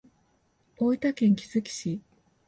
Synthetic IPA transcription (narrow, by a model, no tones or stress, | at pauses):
oit̪akẽ̞ŋkʲi̥z̥ɨkʲi̥ɕi